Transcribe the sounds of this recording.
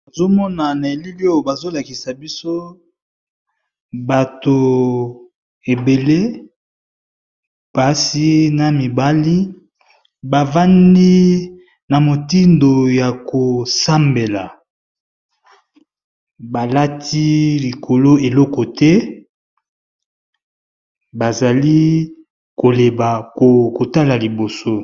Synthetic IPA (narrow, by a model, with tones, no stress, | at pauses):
a˨zo˦mɔ˦na˨na˨e˨li˦li˦o˦jo˨ba˨zo˦la˨ki˨sa˨bi˦so˦ | ba˨to˨ | e˨be˨le˦ | pa˦si˦na˨mi˨ba˦li˦ | ba˨va˦ndi˦ | na˨mo˨ti˦ndo˨ja˨ko˨sa˦mbe˨la˨ | ba˨la˦tʰi˦li˨kʰo˨lo˦e˨lɔ˦kɔ˨tɛ˦ | ba˨za˨li˦ | ko˨le˨ba˨ko˨ko˨ta˦la˨li˨bo˨so˦